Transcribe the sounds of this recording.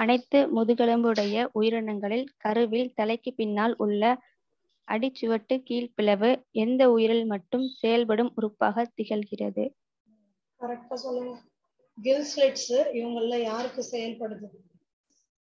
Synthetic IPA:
ɐnɐɪt̪ːɯmʊðɯɣɐɭɯmbɯɽɐjɐʔʊjɪɾɐɳɐŋɡɐɭɪlkɐɾɯʋɪlt̪ɐlɐɪkːɯpːɪnːaːlʊɭːɐ | ʔɐɽɪt͡ʃːɯʋɐʈːɯkiːlpɪlɐʋɯɛnd̪ɐʊjɪɾɪlmɐʈːɯmsɛjɐlp̬ɐɽɯmʊɾɯpːaːɣɐt̪ɪɣɐlɣɪrɐ̰ðɯ | kɐɾɐk̚ʈːaːsɔlːɯŋɡɐ | ɡɪlsleʈsɪʋɐŋɡɐɭɪlɐjaːɾɯkːɯsɛjɐlpɐɽɯðɯ

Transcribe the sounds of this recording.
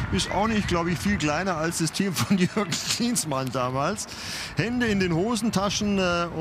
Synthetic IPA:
ʔɪsta̰ʊxnɪçt̚ɡ̥laʊbəɪçtfiːlkl̥aɪnɐalsd̥astʰiːmfɔnjœɐɡsliːnsmandaːmaːls | hɛndəɪndeːnhoːzn̩tʰaʃn̩ɛʊ

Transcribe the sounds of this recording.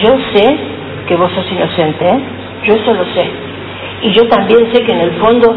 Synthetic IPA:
ʒo̞se̞ | ke̞βo̞sosino̞se̞nt̪e | ʒoesolo̞se̞ | iʒo̞t̪ambje̞nse̞keːne̞lfo̞nd̪o̞

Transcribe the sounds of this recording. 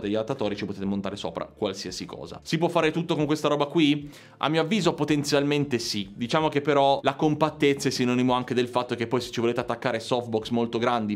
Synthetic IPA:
d̪eʎːalat̪ːat̪ɔːɾit͡ʃipot̪eːt̪emont̪aːɾeso̰ːpɾa̰kwalsiasikɔ̰ːza̰sipwɔfːaːɾet̪ut̪ːokoŋkwest̪aɾɔːbakwi | ʔa̰mːioavːiːzoɛpot̪ent̪sjalment̪esid̪it͡ʃaːmok̟epːeɾɔlakompat̪ːet̪sːaɛsːinɔːnimoaŋk̟ed̪elfat̪ːok̟epːɔjse̥t͡ʃːivoleːt̪eat̪ːakːaːɾesɔft̪̚bɔksmolt̪oɡɾand̪i

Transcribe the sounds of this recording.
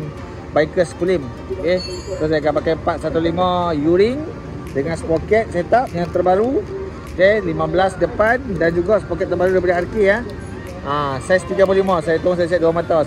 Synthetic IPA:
baikəskulim | oket̪osajakapakajpat̪̚sat̪ulimãjuɾɪŋ | dəŋansə̥pokɛt̪̚sajat̪ap̚jaŋt̪ərbaɾu | okelimãbəlasdəpandand͡ʒuɡaʔsəpokɛt̪̚ːərbaɾudajip̬adaarkia | asast̪iɡap̬olimãsajat̪uʊŋs̬ajasiat̪̚duamat̪a

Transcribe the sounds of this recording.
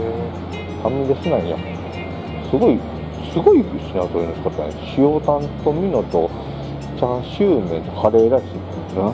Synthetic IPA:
e | t̪ʰãmiid̪esenãĩja̰ | sɨɡo̞i | sɨɡo̞ikɯɕinat̪oinosk̪at̪aneɕiot̪ãnt̪o̞mʲino̞t̪o | t͡ɕãɕɨːnẽnohaɾeːɾaisina | na

